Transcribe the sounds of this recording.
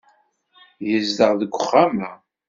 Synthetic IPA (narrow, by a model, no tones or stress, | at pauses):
jəzd̪əʁðəɡʷːəχːamæ